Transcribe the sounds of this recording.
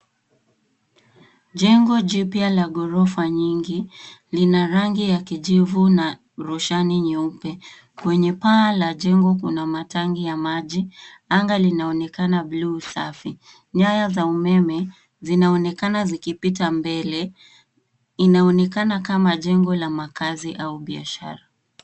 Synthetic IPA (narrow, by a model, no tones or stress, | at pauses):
ʄɛŋɡɔʄipjalaɡɔɾɔfaɲiŋɡilinaɾaŋɡijakiʄivuna | ɾuʃaniɲɛupɛ | kwɛɲɛpaːlaʄɛŋɡɔkunamataŋɡijamaʄi | aŋɡalinaɔnɛkanablusafi | ɲajazaumɛmɛ | zinaɔnɛkanazikipitambɛlɛ | inaɔnɛkanakamaʄɛŋɡɔlamakaziʔauɓia̰ʃa̰ɾa